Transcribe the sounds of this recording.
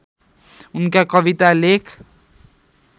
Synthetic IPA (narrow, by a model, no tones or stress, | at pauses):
unkakʌbit̪alekʰ